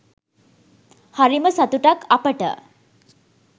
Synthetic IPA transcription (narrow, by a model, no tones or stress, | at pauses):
haɾiməsat̪uʈakapəʈə̰